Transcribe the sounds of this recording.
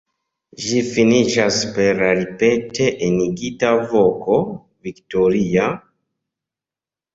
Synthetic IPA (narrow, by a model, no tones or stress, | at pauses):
ʒifiniʃaspeɾaɾipetʰeʔeniɡitavoko | viktoɾia